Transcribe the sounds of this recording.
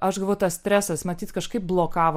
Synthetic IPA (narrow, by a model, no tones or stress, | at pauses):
ɐʃɡɐlˠʋoʊt̪ɐsʲt̪ʲɾʲæːsɐsmɐt̪ʲiːt̪kɐʃkɐɪp̚blˠoːkɑːʋo